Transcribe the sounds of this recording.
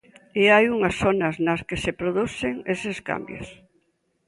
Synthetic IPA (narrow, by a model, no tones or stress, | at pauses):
eajuŋɐsθonɐsnɐskesepɾoðuθeŋeseska̰mbjo̰s